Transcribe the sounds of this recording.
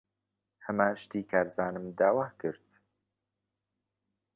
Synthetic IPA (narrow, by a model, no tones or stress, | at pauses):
hɐmaːʃt̪iːkʰaːɾzaːnɨmd̪aːwaːkɨɾt̪